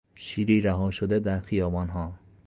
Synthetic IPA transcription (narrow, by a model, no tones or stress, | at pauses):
ʃiːɾiɾæɦɒːʃod̪ed̪æɾχijɒːbɒnɦɒː